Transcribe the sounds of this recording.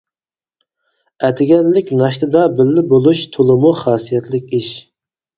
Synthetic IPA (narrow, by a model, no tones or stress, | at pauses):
ɛt̪ʰɪɡʲɛnlɪkʲnɑʃt̪ɨd̪ɑbɪlːɪbolˠuʃt̪ʰolˠɨmuχɑːsijɛt̪ʰlɪkʲiʃ